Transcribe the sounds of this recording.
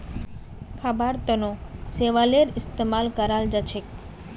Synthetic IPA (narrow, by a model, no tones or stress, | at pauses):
kʰabaɾt̪ɔnoseʋaleɾist̪emalkaɾald͡ʑat͡ɕʰek